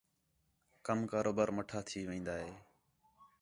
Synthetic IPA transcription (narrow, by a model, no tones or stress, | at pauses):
kəmkaːɾoːbaːɾməʈʰaːt̪ʰiːʋẽːnd̪aːɦeː